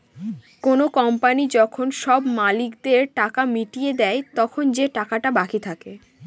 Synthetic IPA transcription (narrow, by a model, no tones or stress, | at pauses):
konokɔmpanid͡ʑɔkʰonʃɔbmalikd̪eɾʈakamiʈijed̪ɛet̪ɔkʰond͡ʑeʈakaʈabakit̪ʰake